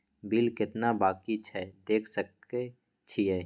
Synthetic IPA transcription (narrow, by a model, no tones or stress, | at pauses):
bilkɪt̪nabaːkit͡ʃʰɛd̪eːkʰsək̚e | t͡ʃʰiɦɛː